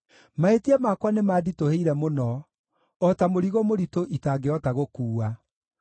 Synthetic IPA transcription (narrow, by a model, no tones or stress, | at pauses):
maetiɛmakwanemaːditoheiɾɛmonɔ | ɔtamoɾiɣomoɾitoʔitaːɡeɔtaɣokuːa